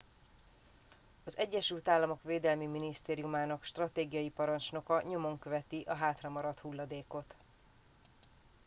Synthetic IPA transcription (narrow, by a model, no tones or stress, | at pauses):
ɒzɛɟːɛʃylt̪aːlːɒmo̞kʋveːd̪ɛlmiminist̪eːɾijumaːnɒkʃt̪rɒt̪eːɡijɒjipɒɾɒnt͡ʃno̞kɒɲo̞mo̞ŋkø̞vɛt̪iʔɒɦaːt̪rɒmɒɾɒt̪hulːɒd̪eːko̞t̪